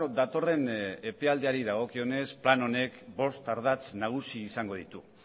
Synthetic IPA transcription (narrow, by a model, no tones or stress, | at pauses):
d̪at̪o̞re̞ne̞pe̞ald̪eaɾiðaɣ̞o̞kio̞ne̞splano̞ne̞kbo̞st̪aɾðat͡snaɣ̞usiːsaŋɡo̞ð̞it̪u